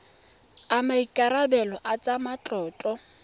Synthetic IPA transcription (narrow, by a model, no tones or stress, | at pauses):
amaikʼaɾabɛlɔʔat͡sʼamat͡ɬʼɔːt͡ɬʼɔ